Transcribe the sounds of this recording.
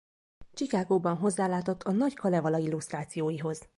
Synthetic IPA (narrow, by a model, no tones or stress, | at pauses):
t͡ʃikaːɡoːbɒnɦo̞zːaːlaːt̪o̞t̪ʰːɒnɒckʰɒlɛvɒlɒilːuʃst̪raːt̪sijoːjiɦo̞z̥